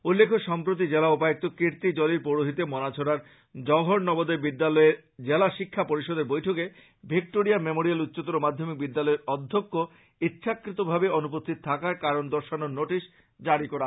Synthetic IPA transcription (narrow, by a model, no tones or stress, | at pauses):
ulːekʰoʃɔmpɾot̪̬id͡ʑelaopajek̚t̪okiɾt̪id͡ʑɔliɾpoɾoɦit̪emɔnat͡ɕʰoɽaɾ | d͡ʑɔɦoɽnɔbod̪ebid̪ːalɔeɾd͡ʑelaʃikʰːapoɾiʃod̪eɾbojʈʰoke | bʱik̚ʈoɾijamemoɾialut̪ːɕot̪oɾomad̪ʱːomik̚bid̪ːalɔeɾɔd̪ʱːokːo | it̪ːɕʃʰakɾit̪obʱabeonup̬ost̪ʰit̪t̪ʰakaɾkaɾond̪ɔɾʃanonoʈiʃ | d͡ʑaɽikɔɾa